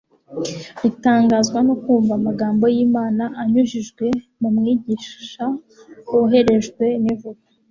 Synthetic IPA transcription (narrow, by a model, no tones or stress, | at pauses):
ɾitaːŋɡazɡwano̞kuːɱvamaɡaːmbo̞jiːmaːnaʔaɲuʒiʒɡwe̞ | mumŋiːɟiːʃa | uɦe̞ɾe̞ʒɡwe̞nivuɡḁ